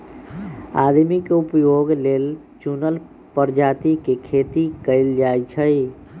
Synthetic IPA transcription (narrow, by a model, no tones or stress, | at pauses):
a̰d̪mikupjoɡlel | t͡ʃunəl | pəɾd͡ʒat̪ikekʰet̪ikəɪld͡ʒajt͡ʃʰəj